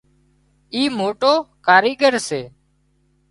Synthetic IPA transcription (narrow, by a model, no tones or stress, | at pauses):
iːmoːʈoːkaːɾiːɡəɾseː